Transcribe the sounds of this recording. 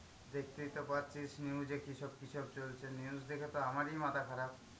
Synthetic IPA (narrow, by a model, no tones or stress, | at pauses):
d̪ek̚t̪it̪ːopaɾt͡ʃisniud͡ʑekiʃɔb̚kiʃʰɔb̚t͡ɕolt͡ʃʰeniusd̪ekʰɔt̪oamaɾijmat̪akʰaɾab̚